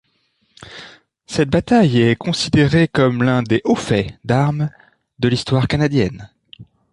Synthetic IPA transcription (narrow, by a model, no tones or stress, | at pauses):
sɛt̪̚bat̪ajɛkɔ̃sid̪eʁekɔmlɛ̃d̪eʔofɛd̪aʁm | d̪əlist̪waʁkanad̪jɛn